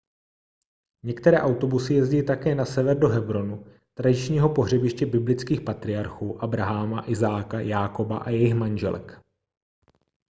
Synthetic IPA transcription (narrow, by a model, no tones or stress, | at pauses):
ɲɛkt̪ɛɾɛːʔawt̪o̞busɪjɛzɟɪlɪt̪akɛːnasɛvɛɾdo̞ɦɛbɾo̞nu | t̪ɾadɪt͡ʃɲiːɦo̞po̞ɦr̝ɛbɪʃcɛbɪblɪt͡skiːxpat̪ɾɪaɾxuːʔabɾaɦamaʔɪzaːkajaːko̞ba̰ʔa̰jɛjɪxmanʒɛ̰lɛ̰k